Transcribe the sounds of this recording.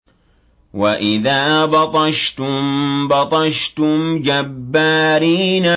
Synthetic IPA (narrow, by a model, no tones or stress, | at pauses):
waʔɪðaːbɑt̪ˤɑʃt̪ʊmbɑt̪ˤɑʃt̪ʊmd͡ʒabːaːɾiːna